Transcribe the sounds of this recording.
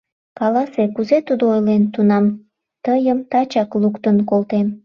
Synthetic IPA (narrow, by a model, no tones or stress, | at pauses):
kɑlɑsekuzet̪ud̪oojlent̪unɑm | t̪əjəmt̪ɑt͡ɕɑklukt̪ənkolt̪em